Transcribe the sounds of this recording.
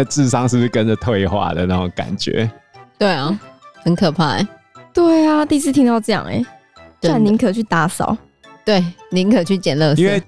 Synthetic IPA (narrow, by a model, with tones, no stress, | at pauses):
t͡sɹ̩˥˧˨sɑ˦ŋʂɻ̩˥˧ʂ̩˥˩kə˦nd͡ʒə˨t̪ʰwe˥˧ɪxwa̰˥˩d̪ə̰˩na˥˩ɔ˨˩ŋka̰˨˩nt͡ɕɥɛ̰˧˦t̪we˥˩ɪɔ˨˩hə˧˦nkʰɤ˨˩pʰa˥˩ḛ˨˩˦ | t̪we˥˩ɪa˨t̪i˥˧s̬ɹ̩˥˩t̪ʰi˧˥ŋt̪ɑ˥˧ʊʈ͡ʂɤ˥˧jɑ̰˥˨˩ŋḛ˨˩ | t̪a˥˩ni˧˥ŋkʰɤ˨˩t͡ɕʰy˥˩t̪a˧˥sɑ̰˨˦ʊ | t̪we˥˩ɪni˧˦˥ŋkʰɤ˨˩t͡ɕʰy˥˩t͡ɕjɛ˨˩nlə˥˧si˦n̩˥we˥˨